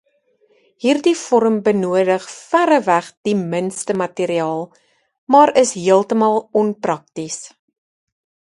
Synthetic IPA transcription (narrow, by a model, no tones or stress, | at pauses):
ɦiːrdifɔɾəmbənuədəχfæɾəvæχd̥imənstəmɐtiːɾiɑːlˠ | mɑːɾəsɦiəlˠtəmɑlˠɔnprɐk̚tis